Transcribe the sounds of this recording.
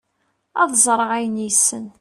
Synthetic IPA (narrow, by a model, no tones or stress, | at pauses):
ɑðzˤɾˤəʁæjənjəsːən